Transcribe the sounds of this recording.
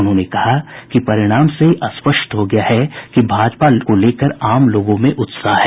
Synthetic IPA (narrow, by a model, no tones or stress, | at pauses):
ʊnɦõːnekɐɦakipɐɾɪɽ̃aːmseʔɐspəʃt̪ɦoɡɐjaɦɛkibʱaːd͡ʒpakoleːkəɾaːmloːɡõmẽʔʊt̪saːɦɛː